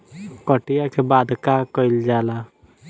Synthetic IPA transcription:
kəʈijakʰebad̪ʱkakɔjld͡ʒala

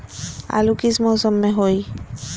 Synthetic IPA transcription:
a̰lukismowsɔmːeɦoj

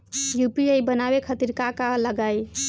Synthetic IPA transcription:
jupiəjbənabekʰət̪iɾkakaləɡaj

